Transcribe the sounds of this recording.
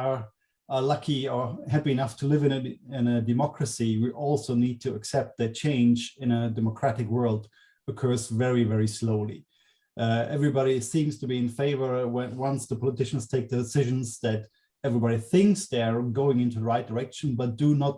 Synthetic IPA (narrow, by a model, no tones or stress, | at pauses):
ə˞ | əlʌkʰiə˞hæpiɨnʌftʰəlɪvɨ̃nɨɪ̃nɨdɨmɑkʰɹ̥ɨsiwiʔɔlˠsoʊnid̚tʰɨɨksɛp̚t̪̚ðɨt͡ʃʰẽɪ̃nd͡ʒɪ̃nɨdɛməkʰɹ̥æɾɨkwɜ˞lˠd | ɨkʰɜ˞zvɛɹivɛɹisloʊlˠḭ | ʔɛvɹibɑɾisĩmz̥tʰɨbiɨ̃nfeɪvə˞wɛ̃wʌ̃nsðəpʰɑlətʰɪʃn̩z̥tʰeɪk̚ðɨdɨsɪʒɨ̃n̩zðɨɾ | ɛvɹibɑɾiθɪ̃ŋksðə˞ɡoʊɪ̃ŋɪ̃ntuðəɹaɪt̚d̥ə˞ɛkʃn̩bʌt̚d̥ɨnət̚